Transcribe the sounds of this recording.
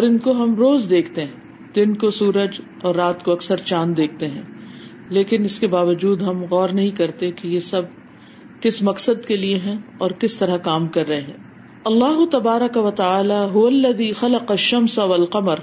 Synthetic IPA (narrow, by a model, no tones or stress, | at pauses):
ɔːɾɪnkoɦɐmɾoːzd̪eːkʰt̪eɦɛ̃ | d̪ɪnkosuːɾəd͡ʒ | ɔːɾːaːt̪koɐksəɾt͡ʃaːnd̪eːk̚ʰt̪eɦɛ̃ː | leːkɪnɪskebaːʋəd͡ʒuːd̪ɦɐmɣɔːɾnɐɦĩkɐɾt̪ekijesɐb̚ | kɪsmɐqsəd̪kelieɦɛ̃ɔːɾkɪst̪ɐɾakaːmkɐɾːɐɦeɦɛ̰̃ː | ɐlːaːɦʊt̪ɐbaːɾɐkɐʋɐt̪ɐaːlaːɦʊʋɐlːɐðiːxɐlɐqɐʃːɐmsaʋɐlqɐməɾ